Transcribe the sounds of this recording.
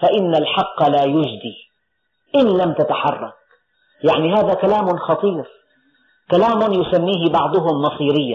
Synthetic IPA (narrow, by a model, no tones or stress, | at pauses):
faʔɪnːalħɑqːɑlaːjʊd͡ʒd̪iː | ʔɪnlamt̪at̪aħɑrˤːɑ̰k̚ | jaʕniɦaːðakalaːmʊnxɑt̪ˤiːɾ | kalaːmʊnjʊsamːiːɦɪbɑʕd̪ˤʊɦʊmːɑsˤiːɾɪjːa